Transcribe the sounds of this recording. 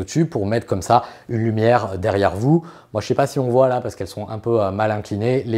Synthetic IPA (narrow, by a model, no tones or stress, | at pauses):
ot̪ypuʁmɛt̪χəkɔmsaynlymjɛʁd̪ɛʁjɛʁvu | mwaʒəsɛpasiɔ̃vwalapaʁsəkɛlsɔ̃ʔɛ̃pøømalɛ̃klinele